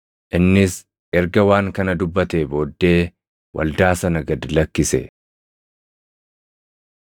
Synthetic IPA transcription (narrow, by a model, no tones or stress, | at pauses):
ʔɪnːɪs | ʔɛɾɡɐwaːŋkɐnɐd̪ʊbːɐt̪eːbo̞ːd̪ːe̞ː | wʔɐ̰ld̪aːsɐnɐɡɐd̪ɪlɐkːɪsɛ̰